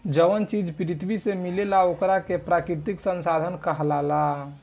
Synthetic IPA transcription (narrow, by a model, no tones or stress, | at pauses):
d͡ʒəʋənt͡ʃid͡ʒpɾit̪ʋisemilelaokɾakepɾakɾiɾt̪iksənsad̪ʱənkəɦlala